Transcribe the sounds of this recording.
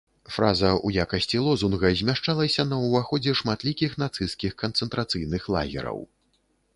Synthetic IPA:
fɾazɐujakɐsʲt͡sʲilˠɔzunɣɐzʲmʲaʂt͡ʂalˠɐsʲɐnɐwvaxɔd͡zʲɛʂmat̪lʲikʲixn̪at̪sɨskʲixkɐnt̪sɛnt̪ɾat̪sɨjnɨxlˠa̰ɣʲɛ̰ɾɐ̰w

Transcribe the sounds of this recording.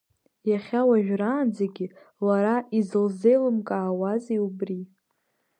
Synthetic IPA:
jaχʲawaʒᶣraːnd͡zaɡʲɪ | laɾaʔizɨlzejlɨmkʼaːwaziubri

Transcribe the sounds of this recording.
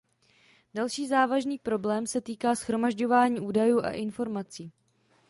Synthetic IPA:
d̥alʃiːzaːvaʒniːpɾo̞blɛːmsɛt̪iːkaːsxɾo̞maʒɟo̞vaːɲiːʔuːdajuːʔa̰ʔɪnfo̞ɾmat͡siː

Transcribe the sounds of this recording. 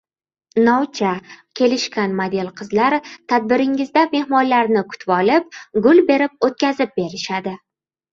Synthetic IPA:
nɒwt͡ʃʰakʲʰe̞lɪʃkʲanmad̪elˠqʰɨzlaɾt̪ʰad̪̚bɪɾɪŋɪzd̪ame̞hmɒnlaɾnɪkʰʊ̥t̪ʰvɒlɪp̚ɡʊlbe̞ɾɪp̚ot̪̚kʲazɪp̚be̞ɾɪʃad̪ɪ

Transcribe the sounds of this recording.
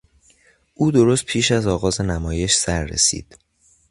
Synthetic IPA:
ʔuːd̪o̞ɾost̪̚pʰiːʃæzɒːɣɒːze̞næmɒːje̞ʃsæɾːḛsḭːd̪̥

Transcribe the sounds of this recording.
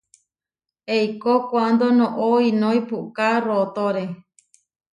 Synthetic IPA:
ejkokʷand̪onõʔoinõjpukarot̪oɾe

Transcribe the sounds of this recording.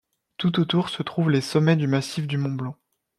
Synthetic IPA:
t̪ut̪̬ot̪uʁsət̪χuvlesɔmɛd̪ymasifd̪ymɔ̃blɑ̃

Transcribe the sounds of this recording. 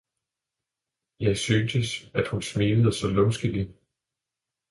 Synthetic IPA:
jɑ̈ɪsyːnsəsæd̥hunsmiːləð̞̩ˠsɒ̽lɔmsɡ̥əli

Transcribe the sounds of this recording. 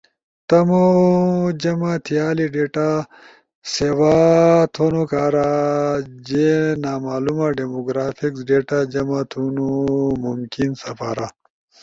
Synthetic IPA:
t̪ɐmo | d͡ʑɐmat̪ʰjaːliɖeːʈa | sewaːt̪ʰoːnokaːɾa | d͡ʑenaːmaːlumaɖemoɡɾaːfʰiksɖeːʈad͡ʑɐmat̪ʰunomumkinsɐpaːɾa

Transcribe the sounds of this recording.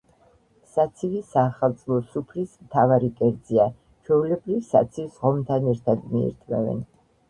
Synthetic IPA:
sat̪sʰivisaːχalˠt̪sʼlˠɔsupʰlismt̪ʰavaɾikʼɛɾd̪zia | t͡ʃʰwɛulɛbɾivsa̰t̪sʰivsʁɔmt̪ʰanɛɾt̪ʰad̪miḭɾt̪ʼmɛvɛ̰n

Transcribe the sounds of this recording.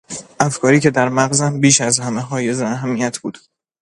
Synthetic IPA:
ʔæfkʰɒːɾiːcʰe̞d̪æɾmæɣzæmbiːʃæzhæmeɦɒːje̞zeæɦæmːijæt̪ʰb̥uːd̪̥

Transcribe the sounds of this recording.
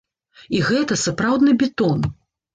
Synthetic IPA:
iɣɛt̪ɐsapɾawd̪nɨbʲɛt̪ɔn

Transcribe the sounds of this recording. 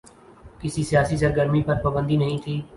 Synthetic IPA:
kɪsisɪjaːsisəɾɡəɾmipɐɾpaːbə̃nd̪inɐɦĩːt̪ʰiː

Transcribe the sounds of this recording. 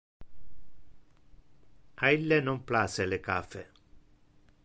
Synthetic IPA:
ailːenɔmplaselekafɛ

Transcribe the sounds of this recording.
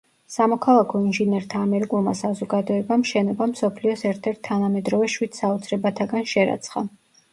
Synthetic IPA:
samɔkʰalˠakʰɔinʒinɛɾt̪ʰaːmɛɾikʼulˠma̰sazɔɡad̪ɔɛbamʃɛnɔbamsɔpʰliɔsɛɾt̪ʰɛɾt̪ʰːanamɛd̪ɾɔvɛʃwid̪̥saɔt̪sʰɾɛbat̪ʰaɡanʃɛɾa̰t̪sʰχa

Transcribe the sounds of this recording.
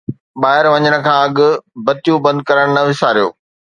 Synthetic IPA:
ɓaːɦɪɾʋɐɲəɽ̃ə̆kʰãːɐɠʊ̆bɐt̪ijũbɐ̃nd̪̚kɐɾəɽ̃nɐʋɪsaːɾijo̰ː

